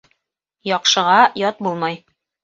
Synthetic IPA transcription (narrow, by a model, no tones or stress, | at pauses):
jɒqʃɤ̆ʁɑjɒt̪̚bulˠmɑj